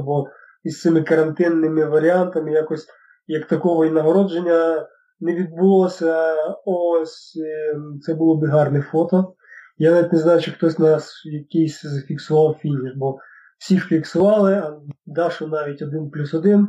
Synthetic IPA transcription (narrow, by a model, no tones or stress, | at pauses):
bɔ | ist̪sɪmɪkɐɾɐnt̪ɪnːɪmɪʋɐɾʲɪant̪ɐmɪjakɔsʲ | jɐkt̪ɐkɔʋɔinɐɦɔɾɔd͡ʒenʲːɐ | nɛʋʲid̪̚bʊlˠɔsʲɐɔsʲ | t̪sɛbʊlˠɔbɪɦɑrnɛfɔt̪ɔ | janɑʋʲitʲneznɑjʊt͡ʃɪxt̪ɔsʲnɑsjɐkɪjsʲzɐfʲiksʊʋɑwfʲinʲiʃbɔ | w̥sʲilʲiksʊʋɑlˠɪɐd̪ɑʃɔnɑʋʲitʲɔd̪ɪnplʲusɔd̪ɪn